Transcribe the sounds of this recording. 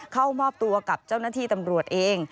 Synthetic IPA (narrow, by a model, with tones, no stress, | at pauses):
kʰa˥˩wmɔː˥˩p̚t̪u˧ɐka˨˩p̚t͡ɕa˥˩wnaː˥˩t̪ʰiː˥˩t̪a˧mɾu˨˩ət̪̚ʔeː˧ŋ